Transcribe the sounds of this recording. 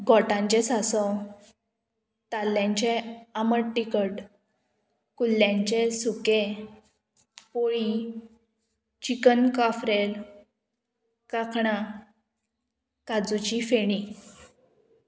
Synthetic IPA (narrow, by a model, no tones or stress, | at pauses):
ɡʱɔʈãɲt͡ɕesasɔ | t̪alːjãɲt͡ɕeaməɽʈːikəʈ | kulːjãɲt͡ɕesuke | poɭi | t͡ɕikənkafɾel | kakɳa | kad͡zut͡ɕifeɽ̃i